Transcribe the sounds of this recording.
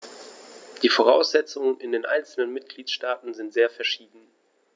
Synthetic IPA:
d̥iːfoʁ̞aʊsz̥ɛt͡sʊŋənɪndeːnʔa̰ɪnt͡sl̩nənmɪt̚ɡ̥liːtʃtaːtn̩zɪntz̥eːɐfɛɐʃiːdn̩

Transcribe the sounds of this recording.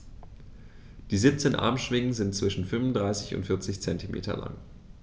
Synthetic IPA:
d̥iːziːp̚t͡seːnʔa̰ɐmʃv̥ɪŋən̩zɪntt͡sv̥ɪʃn̩fʏnvʊndʁaɪsɪçʊ̰ntfɪɐt͡sɪçt͡sɛntimʔḛːtʰɐ̰la̰ŋ

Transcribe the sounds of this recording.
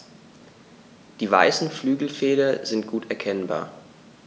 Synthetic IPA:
d̥iːva̰ɪsn̩flyːɡl̩feːɾɐzɪntɡ̥uːtʰɛɐkʰɛnba̰ːɐ

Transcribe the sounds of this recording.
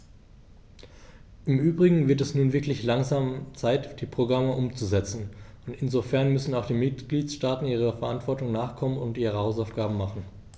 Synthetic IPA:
ʔɪmʔyːbʁɪɡŋ̩vɪɐtɛsnuːnvɪɐklɪçlaŋzaːmt͡saɪtd̥iːpʁ̥oɡʁaməʔʊmt͡suzɛt͡sn̩ʊntɪnzofɛɐnmʏsn̩aʊxχd̥iːmɪtɡ̥liːtsʃtaːtn̩iːʁ̞əfɛɐʔantv̥ɔɐtʊŋnaːχkʰɔmənʊntʔiːʁ̞əhaʊsaʊfɡ̥aːbm̩maχn̩

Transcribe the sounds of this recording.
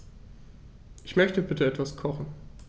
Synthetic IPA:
ʔɪçmœçtəbɪtəɛtv̥askʰɔχn̩

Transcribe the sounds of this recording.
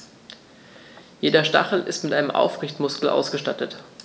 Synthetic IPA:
jeːdɐʃta̰χl̩ʔɪ̰stmɪtʔaɪnəmʔa̰ʊfʁɪçtmʊskl̩ʔa̰ʊsɡ̥əʃtatət

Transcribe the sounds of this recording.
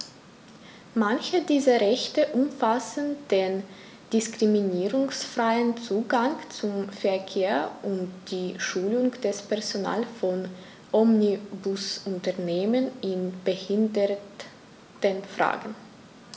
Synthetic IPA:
mançədiːzɐʁɛçtəʔʊmfasən̩d̥eːn | d̥ɪskʁ̥iminiːʁʊŋsfʁ̥aɪənt͡suːɡaŋt͡sʊmfɛɐkʰeːɐʔʊntd̥iːʃuːlʊŋd̥ɛspʰɛɐzona̰ːlfɔn | ʔɔmnibʊsʊntɐɐneːmənɪnb̥əhɪndə | tənfʁ̥a̰ːɡn̩

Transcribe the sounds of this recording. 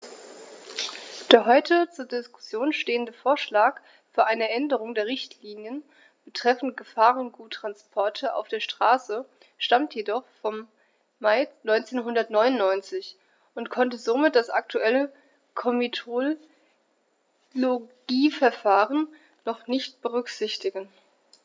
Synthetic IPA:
d̥eːɐɦɔʏtʰət͡suːɐdɪskʊ̥sjoːnʃteːəndəfoːɐʃlaːk | fyːɐʔaɪnəʔɛndəʁ̞ʊŋdeːɐʁ̞ɪçtʰliːnjən | b̥ətʁ̥ɛfn̩tɡ̥əfaːʁʊnɡ̥uːtʁ̥anspʰɔɐtʰəʔa̰ʊfd̥eːɐʃtʁ̥aːsə | ʃtamtjedɔχfɔmː | aɪnɔʏnt͡seːnɦʊndɐtnɔʏnʊnːɔʏnt͡sɪç | ʔʊntkʰɔntəzomɪt̚d̥asʔak̚tʰuʔɛlə | kʰɔmitʰo | loɡ̥iːfɛɐfaːʁənː | ɔχnɪçtb̥əʁ̞ʏkz̥ɪçtɪɡən

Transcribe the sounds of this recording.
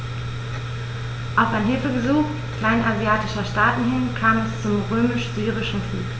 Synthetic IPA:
ʔaʊfanɦɪlfəɡəzuːxtkʰl̥aɪnʔazjaːtɪʃɐʃtaːtn̩hɪnkʰaːmɛst͡sʊmʁøːmɪʃz̥yːʁɪʃn̩flṵːk

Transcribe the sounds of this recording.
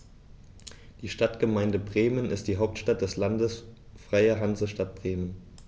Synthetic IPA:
d̥iːʃtatɡ̥əmaɪndəbʁeːmənɪstd̥iːɦaʊp̚tʃtat̚d̥ɛslandəsfʁ̥aɪəɦanzəʃtat̚b̥ʁeːmən

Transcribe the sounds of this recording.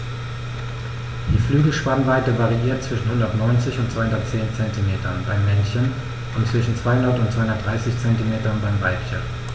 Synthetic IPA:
d̥iːflyːɡl̩ʃpanvaɪtəvaʁiʔiːɐt̚t͡sv̥ɪʃn̩hʊndɐtnɔʏnt͡sɪçʊntt͡sv̥aɪhʊndɐtt͡seːnt͡sɛntimeːtɐnbaɪmːɛnçən | ʔʊntt͡sv̥ɪʃn̩t͡sv̥aɪhʊndɐtʊntt͡sv̥aɪʊndɐtd̥ʁaɪsɪçt͡sɛntimeːtɐnbaɪmvaɪpçə̰n

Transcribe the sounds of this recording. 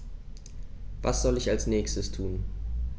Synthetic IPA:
vasz̥ɔlɪçalsnɛːçstəstʰuːn

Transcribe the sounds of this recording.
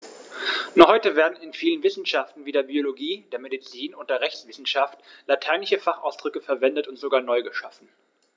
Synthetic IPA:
nɔχhɔʏtəveːɐdn̩ɪnfiːlənvɪsn̩ʃaftn̩viːdeːɐbioloɡiːd̥eːɐmedit͡siːnʊnt̚d̥eːɐʁɛçsv̥ɪsn̩ʃaftlatʰaɪnlɪçəfaχʔa̰ʊsd̥ʁʏkəfɛɐvɛndətʊntz̥oɡaːɐnɔʏɡəʃafn̩

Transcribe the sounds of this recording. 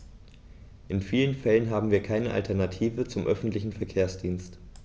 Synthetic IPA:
ʔɪnfiːlənfɛlənɦaːbm̩viːɐkʰaɪnəʔa̰ltʰɛɐnatʰiːvət͡sʊmʔœfn̩tlɪçn̩fɛɐkʰeːɐsd̥iːnst

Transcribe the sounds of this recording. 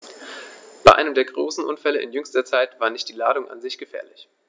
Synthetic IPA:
b̥aɪʔaɪnəmdeːɐɡʁoːsn̩ʔʊnfɛləʔɪ̰njʏŋstɐt͡saɪtv̥aːɐnɪçt̚d̥iːlaːɾʊŋʔa̰nzɪçɡ̥əfɛ̰ːɐlɪç

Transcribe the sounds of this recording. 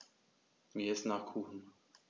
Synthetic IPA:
viɪstnaːχkʰuːxn̩

